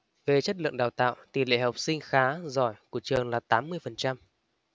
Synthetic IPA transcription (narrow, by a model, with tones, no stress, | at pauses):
ve˨˩t͡ɕə˦˥t̚lɨ̰˧˨əŋɗaː˨˩wt̪a̰ː˧˨wt̪i˨˩lḛ˧˨ha˨˩wk͡p̚sï˧ŋ̟xaː˨˦zɔ˧˩jku˧˩ət͡ɕɨ˨˩əŋlaː˨˩t̪aː˨˦mːɨ˧əjfə˨˩nt͡ɕa˧m